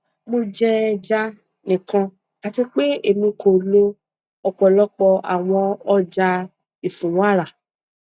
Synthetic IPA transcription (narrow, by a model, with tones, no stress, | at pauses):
mo˧d͡ʒɛ˧d͡ʒa˦ | nĩ˨kã˧ | ka˨ti˧k͡pe˦e˦˨mĩ˧ko˨lo˧ | ɔ˧k͡pɔ˨lɔ˦k͡pɔ˧a̰˨w̃ɔ̃˧ɔ˦d͡ʒa˧ | i˨fũ˨wa˦˨ɾa˨